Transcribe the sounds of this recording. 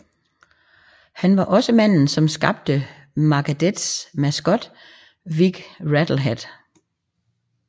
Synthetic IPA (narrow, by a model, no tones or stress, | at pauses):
hænʋɑ̈ʔɒ̽səmæn̰n̩sɒ̽msɡ̥ɑ̈b̥̚d̥ə | mɑ̈ɡ̥æd̥ed̥smæsɡ̥ɒ̽d̥ | ʋiɡ̥ʁæd̥l̩ɦed̥